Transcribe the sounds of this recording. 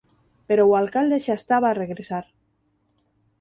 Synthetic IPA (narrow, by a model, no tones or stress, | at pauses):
peɾowalkald̪eʃast̪aβaːreɣɾesaɾ